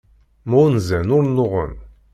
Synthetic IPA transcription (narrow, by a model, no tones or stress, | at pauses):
munzænʊɾnʊʁə̰n